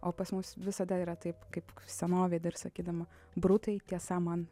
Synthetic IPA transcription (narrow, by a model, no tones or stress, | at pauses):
ʔoːpɐsmʊsʋʲɪsɐd̪ɐiːɾɐt̪ɐɪpkɐɪpsʲɛnoːʋʲiːd̪ʲɪɪrsɐkʲiːd̪ɐmɐ | bɾʊt̪ɐɪt̪ʲiɛsɐmɐn